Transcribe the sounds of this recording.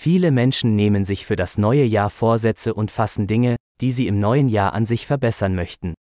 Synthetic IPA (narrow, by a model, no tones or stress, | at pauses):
fiːləmɛnʃn̩neːmənzɪçfyːɐɾasnɔʏəjaːɐfoːɐzɛt͡səʔʊntfasn̩dɪŋəd̥iːziːɪmnɔʏənjaːɐʔa̰nzɪçfɛɐbɛsɐnmœçtn̩